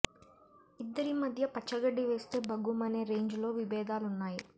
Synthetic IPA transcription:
id̪ːɐɾimɐd̪ʱjɐpɐt͡ʃːɐɡɐɖːiʋe̞ːst̪e̞ːbɐɡumɐneːɾe̞ːɲd͡ʒlo̞ːʋibɛːd̪aːlunːaːji

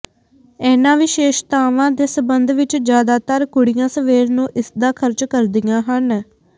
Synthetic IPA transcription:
ɛːnãːʋɪːʃeːʃt̪aːʋãːd̪eːsəbənd̪ʋɪt͡ʃd͡ʒjaːd̪aːt̪əɾkʊɽijãːsəʋeːɾnũːʔɪsd̪aːkʰəɾt͡ʃkəɾd̪ɪjãːɦən

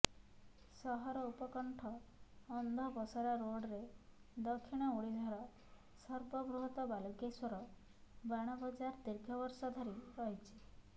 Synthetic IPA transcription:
sɔɦɔɾɔupɔkɔɳʈʰɔː | nd̪ʱɔbɔsɔɾaɾoɽɾed̪ɔkʰːiɽ̃ɔuɽid͡ʒ̪ʱɔɾɔ | sɔɾbɔbɾuɦɔt̪ɔbalukeswɔɾɔ | baɽ̃ɔbɔd͡ʒaɾd̪iɾɡʱɔbɔɾsɔd̪ʱɔɾiɾɔɦit͡ʃʰi̥

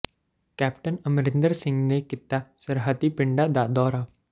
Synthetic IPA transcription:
kɛːpʈənəmɾɪ̃nd̪əɾsɪ̃ŋɡnekɪt̪asəɾɦət̪ipɪɳɖad̪ad̪ɔːɾaː

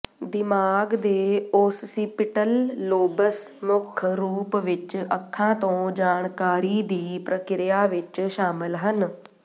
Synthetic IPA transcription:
d̪ɪmaːɡd̪eːʊːssipɪʈəlːoːbəsmʊkʰɾuːpʋɪt͡ʃəkʰːãːt̪õːd͡ʒaːɳkaːɾiːd̪iːpɾəkɪɾjaːʋɪt͡ʃʃaːmɪlɦən

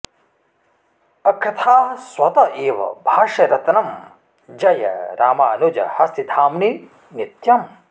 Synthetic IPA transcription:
ɐkɾɐt̪ʰaːɦɐswɐt̪ɐʔeːʋɐ̰bʱaːʂɐɾɐt̪nɐm | d͡ʒɐjɐ̰ɾaːmaːnud͡ʒɐ̰hɐst̪it̪ʰaːmni | nit̪jɐm

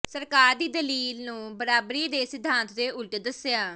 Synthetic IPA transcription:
səɾkaːɾd̪iːd̪əliːlnũːbəɾaːbɾiːd̪eːsɪd̪ʱːãːnt̪ʰd̪eːʊlʈd̪əsjaː

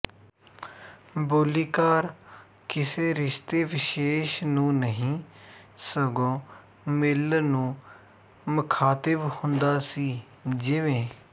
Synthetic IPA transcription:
boːliːkaːɾ | kɪseːɾɪʃt̪eːʋɪʃeːʃnũːnəɦĩː | səɡõː | mɪlnũː | mʊkʰaːt̪ɪʋhʊnd̪aːsiː | d͡ʒɪʋẽː

